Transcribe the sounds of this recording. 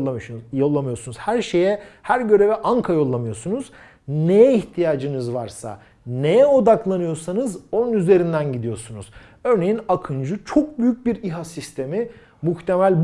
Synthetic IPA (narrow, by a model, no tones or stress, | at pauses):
jo̞lˠːamɯjo̞sunuzhæɾʃe̞jɛhæɾɟø̞ɾe̞vɛʔaŋkʰajo̞lˠːamɯjo̞sunuz̥ | nejɛiçt̪ʰijaːd͡ʒɯnɯzvaɾsa̰ | nejɛo̞d̪aklˠanɯjo̞sanɯzo̞nunyze̞ɾind̪ænɟid̪ijo̞sunuz̥ | ø̞ɾne̞jinakʰɯnd͡ʒut͡ʃʰo̞k̚byjyc̚biɾiɦasist̪ʰe̞mi | muxt̪ʰe̞mælʲb